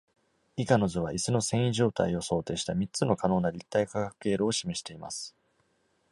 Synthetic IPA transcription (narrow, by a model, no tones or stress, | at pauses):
ikano̞zɨβaʔisɨno̞sẽ̞ɰ̃iʑo̞ːt̪aio̞so̞ːt̪e̞ːɕi̥t̪amʲit͡sɨno̞kano̞ːnaɾʲit̪ːaikakakɯ̟̥e̞ːɾoːɕime̞ɕi̥t̪e̞ima̰sɨ̥